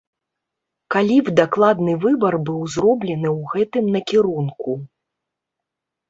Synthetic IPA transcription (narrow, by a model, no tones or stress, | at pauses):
kalʲivd̪aklˠad̪nɨvɨbɐrbɨwzɾɔblʲɛnɨwɣɛt̪ɨmnɐkʲiɾunku